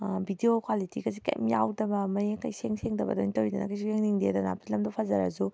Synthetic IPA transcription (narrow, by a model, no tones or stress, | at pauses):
bidiokʰwalitiɡɐsika̰j̰mjawdɐbɐmɐjkɐjseŋseŋdɐbɐ̰do̰jnitɐwɾidɐnɐkɐjs̬ujeŋniŋdedɐna̰p̚lɐmdopʰɐzɐɾɐ̰zu